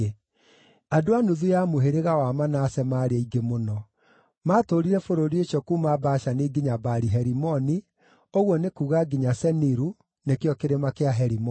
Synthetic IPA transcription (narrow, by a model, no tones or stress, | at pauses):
adoanuðujamoɦeɾeɣawamanaːsɛmaːɾeaiɡemonɔ | maːtoɾiɾɛfoɾoɾieʃɔkumabaʃaneɡiɲabaɾiɦɛɾimɔni | oɣwɔnekuːɣaɡiɲasɛniɾu | nekeɔkeɾemakeaɦɛɾimɔ